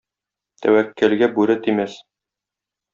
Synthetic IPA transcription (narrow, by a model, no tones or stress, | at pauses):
t̪ʰæ̰wækːɘ̆lɡæbʉɾɘt̪imæs